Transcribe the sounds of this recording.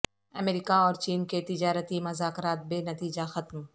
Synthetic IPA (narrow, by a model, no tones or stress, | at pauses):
ɐmeːɾiːkaɔːɾt͡ʃiːnket̪ɪd͡ʒaːɾət̪imɐzaːkɾaːt̪̚beːnɐt̪iːd͡ʒaxɐt̪m